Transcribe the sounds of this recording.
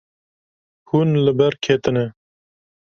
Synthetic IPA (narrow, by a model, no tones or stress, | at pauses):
hunləbɛɾkʰeːt̪ɨnɛ